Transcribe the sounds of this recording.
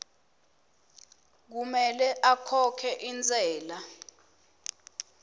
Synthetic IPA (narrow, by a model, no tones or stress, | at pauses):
k̬umɛlɛʔakʰɔkʰɛʔint͡sʼɛːla